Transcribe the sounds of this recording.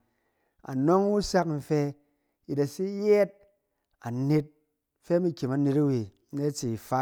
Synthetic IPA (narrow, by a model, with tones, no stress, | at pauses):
a̰˨no˦ŋ˦wu˦sa˦km̩˨fe˧ | ji˨ta˨si˦je˦t̚ | a̰˨ne˦t̚ | fe˦mi˦kʲi˨ma˨ne˧ta˦we˨˦ | ne˦t͡si˨fa˦